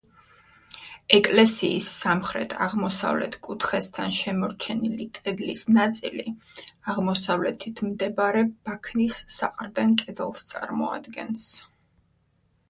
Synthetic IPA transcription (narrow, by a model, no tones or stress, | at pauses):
ɛkʼlɛsiːsːamχɾɛ̰t̪ʰaʁmɔsa̰vlɛ̰t̪ʰkʼut̪ʰχɛst̪ʰanʃɛmɔɾt͡ʃʰɛnilikʼɛd̪lisnat̪sʼiliaʁmɔsavlɛt̪ʰit̪ʰmd̪ɛbaɾɛb̥akʰnisːaqʼɾd̪ɛnkʼɛd̪lˠst̪sʼa̰ɾmɔ̰a̰d̪ɡɛ̰ns